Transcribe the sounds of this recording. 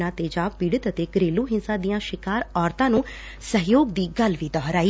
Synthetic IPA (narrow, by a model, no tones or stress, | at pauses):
ãːt̪eːd͡ʒaːʋpiːɽət̪ət̪eːkəɾeːlũːɦɪnsãːd̪ijãːʃɪkaːɾɔːɾt̪ãːnũː | səɦjoːɡd̪iːɡəlʋiːd̪ɔːɦɾaːiː